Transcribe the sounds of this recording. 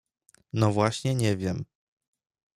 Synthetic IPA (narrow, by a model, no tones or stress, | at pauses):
nɔvwaɕɲɛɲɛvʲjɛm